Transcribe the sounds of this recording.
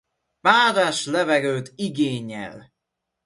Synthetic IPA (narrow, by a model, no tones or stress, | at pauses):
paːd̪aːʃlɛvɛɡøːt̪iɡeːɲːɛ̰l